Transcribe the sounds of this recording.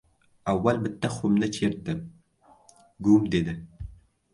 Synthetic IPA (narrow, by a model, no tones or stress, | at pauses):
awːalbɪt̪ːaχʊmnɪt͡ʃʰeɾd̪ɪm | ɡumd̪ed̪ɪ